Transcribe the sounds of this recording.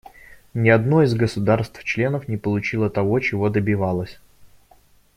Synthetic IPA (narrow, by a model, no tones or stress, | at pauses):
nʲɪɐd̪noɪzɡəsʊd̪arst̪ft͡ɕlʲe̞nəfnʲɪpəlˠʊt͡ɕilˠət̪ɐvo̞t͡ɕɪvo̞d̪əbʲɪvalˠəsʲ